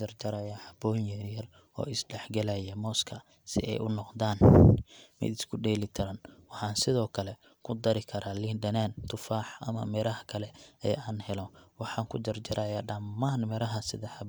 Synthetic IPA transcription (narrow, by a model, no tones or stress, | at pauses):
ɐrd͡ʒɐɾaːjaːħɑbɔːjɛjɐl | ɔ̰ːɪsɖɛħɡɐlajɐmɔːskʰɐ | sɪ̰ɛ̰jʊnɔqd̪aːn | mɪ̰d̪ɪskʰʊɖɛːlɪt̪ʰɐɾɐnwɑħɑːnsɪðɔːkʰɐlɛ | kʰʊd̪ɐɾɪkʰɐɾaːlind̪ɐnaːnt̪ʰʊfaːħʔɐ̰mɐ̰mɛɾɐɦɐkʰɐlɛɛjaːnhɛlɔwɑħɑːŋkʰʊd͡ʒɐrd͡ʒɐɾʔaːjaːɖɐmːaːnmɛɾɐɦɐsɪðɐħɑb